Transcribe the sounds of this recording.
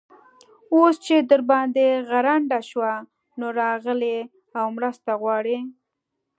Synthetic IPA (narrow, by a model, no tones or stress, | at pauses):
ost͡ʃed̪əɾbɑnd̪eɣaɾaɳɖaʃwa | noɾɑɣəle | awmɾəst̪aɣwɑɽe